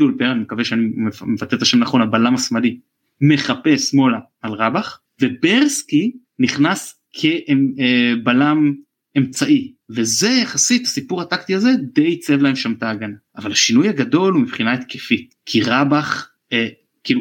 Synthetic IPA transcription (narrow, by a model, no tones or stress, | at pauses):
ulpeʁanimekaveʃeanimemevat̪etaʃe̞mnaχo̞nabalamasmali | me̞χape̞smo̞laːlʁabaχ | ve̞beʁski | niχnas | kʰe̞ʔebalam | e̞mt͡saʔive̞ze̞jaχasithasipuʁhatakt̪iazed̪e̞jt͡sevlae̞mʃamtaːɡanaːvalhaʃinujhaɡado̞lumipχinaet̪kʰefi | kʰiʁabaχ | e | kiːlu